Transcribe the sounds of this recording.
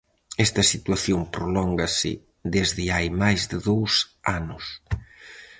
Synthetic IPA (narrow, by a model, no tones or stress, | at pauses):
ɛst̪ɐsit̪waθjompɾolɔŋɡɐsɪ̰ | ðezðɪajmajzðɪðowsanʊs